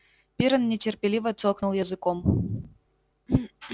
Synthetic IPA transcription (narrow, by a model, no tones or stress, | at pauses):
pʲiɾənːʲɪtʲɪrpʲɪlʲivət̪soknulˠjəzɨkom